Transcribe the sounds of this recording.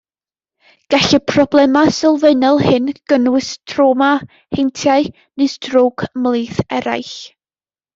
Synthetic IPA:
ɡ̥aɬipʰrɔblˠɛmasɪlˠveɨnɔlˠhɪnɡ̥ənwɨsd̥roːma | hejntʰjaɨ | nɨsd̥rowɡmlˠɨːθɛɾa̰jɬ

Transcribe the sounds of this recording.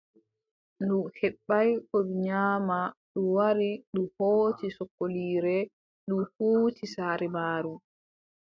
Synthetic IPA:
nduhɛɓːajkɔɓiɲaːmaɗuwaɾiɗumhoːtisɔkːoliːɾɛ | ɗumhuːtisaːɾɛmaːɾu

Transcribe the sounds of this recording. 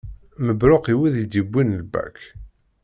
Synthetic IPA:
məbɾoqiwiðid̪ibʷːinlbæ̰k

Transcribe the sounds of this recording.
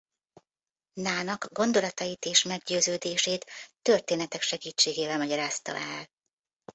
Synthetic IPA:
naːnɒɡɡo̞nd̪o̞lɒt̪ɒjit̪eːʃmɛɡɟøːzøːd̪eːʃeːt̪ːø̞rt̪eːnɛt̪ɛkʃɛɡiːt͡ʃːeːɡeːvɛlmɒɟɒɾaːst̪ɒ̰ɛl

